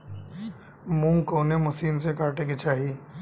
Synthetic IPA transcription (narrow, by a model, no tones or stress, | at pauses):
mũːŋkoːnemʊsiːnsekaːɾʈeket͡ʃaːɦiː